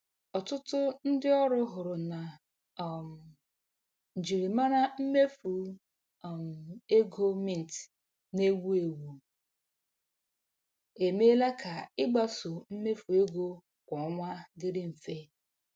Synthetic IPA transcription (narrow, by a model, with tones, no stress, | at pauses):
ɔ˨tʊ˦tʊ˦n̩˦dɪ˦ɔ˦ɾʊ˦ɦʊ˨ɾʊ˨na˨ | m˨ | n̩˨d͡ʒi˨ɾi˨ma˦ɾa˦m̩˦me˦fu˨ | m̩˨e˦ɡo˦mi˦n̩˨t | ne˦ɡu˦e˨wu˨ | e˨me˦la˦kʰa˨ɪ˦ɡ͡ba˦so˨m̩˦me˦fu˨e˦ɡo˦ | kʷɔ˨˦ŋʷa˦dɪ˦ɾɪ˦m̩˨fe˦